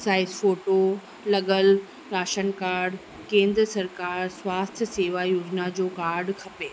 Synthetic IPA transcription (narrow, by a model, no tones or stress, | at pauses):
saːɪsfoːʈo | lɐɠəl | ɾaːʃənkaːɾɖ | kẽːnd̪ɾəsɐɾkaːɾswaːst̪ʰjəseːʋajoːd͡ʑnad͡ʑoːkaːɾɖkʰɐpeː